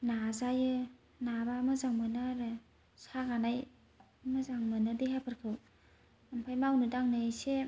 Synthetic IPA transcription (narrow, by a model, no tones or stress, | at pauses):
nazajɯ | nabamɯzaŋmɯnaɾɯ | saɡanaj | mɯzaŋmɯnɯdiɦapʰɯɾkʰɯw | ampʰajmawnɯdaŋnɯse